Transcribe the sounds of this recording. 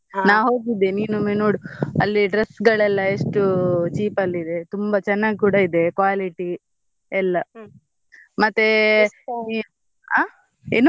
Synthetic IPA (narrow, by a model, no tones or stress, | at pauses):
naːʋɦoːɡid̪ːeniːnumenoːɽuɐ̰lːiɖɾesːɡɐɭɛlːɐeʂʈut͡ʃiːpɐlːid̪e̞t̪umbɐt͡ʃɛnːaːɡikuːɽaid̪e̞kʋaːliʈi | ɛlːɐ | mɐt̪ːe | aː | ḛnu